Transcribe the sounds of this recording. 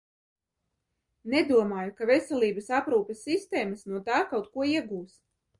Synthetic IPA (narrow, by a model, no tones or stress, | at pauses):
nɛd̪uɔmaːjukavɛsɛlʲˠiːbɐsapɾuːpesːist̪eːmasnuɔt̪aːkawt̪kuɔiɛɡuːs